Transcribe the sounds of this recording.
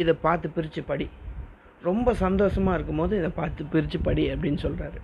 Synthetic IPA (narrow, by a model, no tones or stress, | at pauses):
ɪðɐpaːɾt̪ɯpɪɾɪt͡ʃːɯpɐɽi | ɾɔmbɐsɐnd̪oːsɐmaːɪɾɯk̬ːɯmpoːðɯ̃ɪðɐpaːɾt̪ɯpɪɾɪt͡ʃːɯpɐɽiɐpːɐɽɪnːɯsɔlraːɾɯ